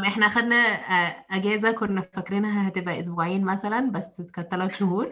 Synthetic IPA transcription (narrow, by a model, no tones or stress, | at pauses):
mʔeħnæʔæxæd̪næʔæɡeːzækonːæfækɾenɦæhæt̪ebʔæʔos̬boʕiːnmæsælænbæsːet̪kɑt̪ːɑlɑkʃohuːɾ